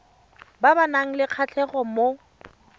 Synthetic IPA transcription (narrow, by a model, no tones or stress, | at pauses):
babanaŋ̩lɪq͡χʰat͡ɬʰɛχɔmo